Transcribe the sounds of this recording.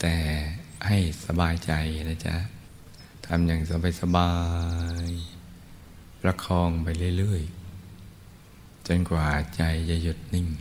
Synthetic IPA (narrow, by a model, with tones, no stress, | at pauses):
t̪ɛː˨˩ | ha˧˥˩jsa˧baː˧jt͡ɕa˧jna˧˩t͡ɕa̰˧˥ | t̪ʰa˧mja˧˩ŋsa˧˦ba˧jsa˧baː˧j | ɾa˧˥kʰɔː˧ŋpa˧jlɯ˧˩˨jlɯ˧˩əj | t͡ɕo˧nkwaː˨˩t͡ɕa˧jt͡ɕa˧˩ju˧˩t̪̚ni˧˩ŋ